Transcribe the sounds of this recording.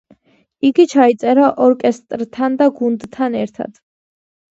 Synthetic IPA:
iɡit͡ʃʰait̪sʼɛɾaʔɔɾkʼɛst̪ʼɾt̪ʰand̪aɡund̪t̪ʰːanɛɾt̪ʰa̰d̪̥

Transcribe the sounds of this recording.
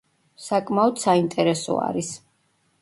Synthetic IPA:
sakʼmaɔd̪saint̪ʼɛɾɛsɔ̰a̰ɾis

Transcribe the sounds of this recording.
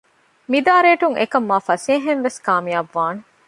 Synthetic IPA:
mid̪aːɾeːʈuŋʔḛkɐmːaːfɐseːɦenʋeskaːmijaʋːaːne

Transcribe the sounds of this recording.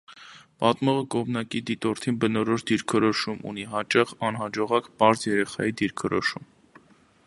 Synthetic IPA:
pɑt̪mɔʁəkɔmnɑkid̪it̪ɔɾt̪ʰinbənɔɾɔʃd̪iɾkʰɔɾɔʃumṵniɦɑt͡ʃɑχɑnɦɑd͡ʒɔʁɑkpɑɾzjɛɾɛχɑ̰jid̪iɾkʰɔɾɔ̰ʃum

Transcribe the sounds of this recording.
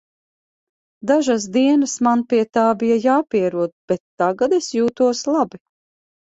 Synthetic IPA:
d̪aʒas̬d̪iɛnɐsmanpiɛt̪aːbijajaːpiɛɾuɔd̪b̥ɛt̪ːaɡad̪esjuːt̪uɔslˠabi

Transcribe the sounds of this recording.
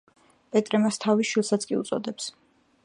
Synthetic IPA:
pʼɛt̪ʼɾɛmast̪ʰaviʃwilˠsat̪sʰkʼiut̪sʼɔ̰d̪ɛps

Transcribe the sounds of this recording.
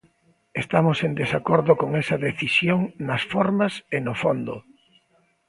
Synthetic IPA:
est̪amosend̪esakoɾðʊkoŋɛsɐðeθisjoŋnɐsfɔɾmɐsenofond̪ʊ

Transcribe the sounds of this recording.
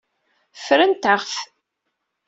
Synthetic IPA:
fɾənt̪əʁf

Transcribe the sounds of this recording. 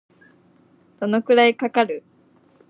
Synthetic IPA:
d̪̥o̞no̞kɯ̟ɾaikakaɾɯ̟

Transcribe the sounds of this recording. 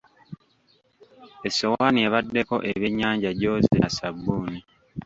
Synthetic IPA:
esowanieβadːe̞ko̞̰ʔeβjeɲːaːɲɟaɟoːzḭnasabːuːni

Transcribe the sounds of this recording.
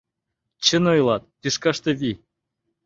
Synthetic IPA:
t͡ɕə̆nŏjlˠɑt̪̚piʃkɑʃt̪ɤ̆βi

